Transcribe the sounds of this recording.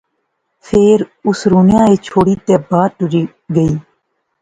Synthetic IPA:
pʰeːɾʊsɾuːnɪjãːeːt͡ʃʰoːɽiːt̪eːbaːʈʊɾiː | ɡəiː

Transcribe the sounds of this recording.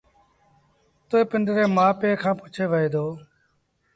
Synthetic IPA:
t̪oːeːpɪnd̪ɾeːmãːpeːkʰãːpʊt͡ʃʰeːʋəɦeːd̪oː

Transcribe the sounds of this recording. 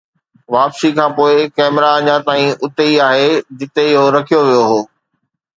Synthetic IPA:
ʋaːpsikʰãːpoːɪkɛːmɪɾaɐɲãt̪aːĩʔʊt̪eiaːɦed͡ʑɪt̪eɪɦoɾɐkʰijoʋijoɦoː

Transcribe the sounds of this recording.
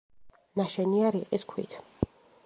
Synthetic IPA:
naʃɛniaɾiqʼiskʰwḭt̪ʰ

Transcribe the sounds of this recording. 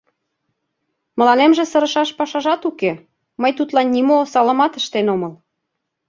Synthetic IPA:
mə̆lɑnemʒĕsɤɾə̆ʃɑʃpɑʃɑʒɑt̪uke | məjt̪ut̪lɑnːimosɑlə̆mɑt̪ə̆ʃt̪enoməl

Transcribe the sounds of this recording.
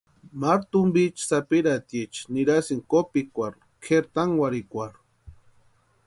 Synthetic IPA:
maɾt̪umbit͡ʃsapiɾat̪jet͡ʃniɾasiŋkopikʷaɾ | kʰeɾt̪aŋwaɾikʷaɾ

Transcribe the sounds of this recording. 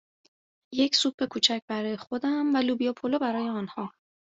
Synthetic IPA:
je̞cʰsuːb̚be̞kʰuːt͡ʃʰæc̚bæɾɒːje̞xo̞d̪æmvælubijɒpʰolobæɾɒːje̞ɒnhɒː

